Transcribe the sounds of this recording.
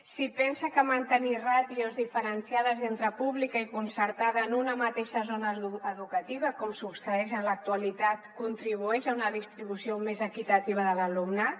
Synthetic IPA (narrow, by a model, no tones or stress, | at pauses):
sipɛnsəkəmant̪əniraðiozðifəɾənsiaðəzent̪ɾəpuβlikəikunsəɾt̪aðəːnunəmat̪eʃəzonəəðukət̪iβ̞əkɔmsupskɾəɛʃənlək̚t̪uəlit̪at̪kunt̪ɾiβ̞uɛʃaunəðist̪ɾiβ̞usiomezəkit̪ət̪iβ̞əðələlumnə